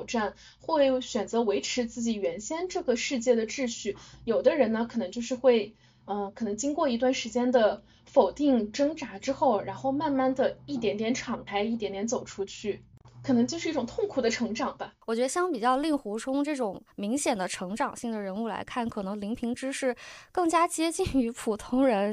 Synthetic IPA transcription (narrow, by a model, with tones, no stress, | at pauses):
ʊʈ͡ʂa˥˩n | xwe˥˩ɪɕɥɛ˨˩nt͡sɤ˧˥we˧˥ɪʈ͡ʂʰɻ̩˧˥t͡sɹ̩˥˩t͡ɕi˨˩ɥɛ˧˥nɕjɛ˥nʈ͡ʂɤ˥˩ɡə˩ʂɻ̩˥˧t͡ɕjɛ˥˩d̪ə˩ʈ͡ʂɻ̩˥˧ɕy˥˩jo˨˩ʊd̪ə˦ɻə˧˥nə˧kʰɤ˨˩nɤ˧˥ŋt͡ɕjo˥˧ʊʂɻ̩˥˧xwe˥˧ɪ | ə˧kʰɤ˨˩nɤ˧˥ŋt͡ɕi˥ŋkwɔ˥˩i˧˥t̪wa˥˩nʂɻ̩˧˥t͡ɕjɛ˥nd̪ə˨ | fo˨˩ʊt̪i˥˩ŋʈ͡ʂɤ˥ŋʈ͡ʂa˧˥ʈ͡ʂɻ̩˥xo˥˩ʊɻa˧˥nxo˥˧ʊma˥˧nma˥˩nd̪ə˩i˥˩t̪̬jɛ˧˥nt̪jɛ˧˥nʈ͡ʂʰɑ˨˩ŋk̪ʰa˥ɪi˥˩t̪jɛ˧˥nt̪jɛ˧˥nt͡so˨˩ʊʈ͡ʂʰu˥t͡ɕʰy˥˩kʰɤ˨˩nɤ˧˥ŋt͡ɕjo˥˧ʊʂɻ̩˥˧i˥˩ʊ˨˩ŋt̪ʰʊ˥˩ŋkʰu˨˩d̪ə˦ʈ͡ʂʰɤ˧˥ŋʈ͡ʂɑ˨˩ŋbɐ˦wɔ˨˩t͡ɕɥɛ˧˥ə˧ɕjɑ˥ŋpi˨˩t͡ɕjɑ˥˧ʊli˥˩ŋxu˧˥ʈ͡ʂʰʊ˥ŋʈ͡ʂɤ˥˩ʈ͡ʂʊ˨˩ŋmi˧˥ŋɕjɛ˨˩nd̪ə˦ʈ͡ʂʰɤ˧˥ŋʈ͡ʂɑ˨˩ŋɕi˥˩ŋd̪ə˩ɻə˧˥nu˥˩la̰˧˥ɪkʰa˥˩nkʰɤ˨˩nɤ˧˥ŋli˧˥ŋpʰi˧˥ŋʈ͡ʂɻ̩˥ʂɻ̩˥˩kɤ˥˩ŋt͡ɕja˥t͡ɕjɛ˥t͡ɕi˥˩ny˧˥pʰu˨˩t̪ʰʊ˥ŋɻə˧˥n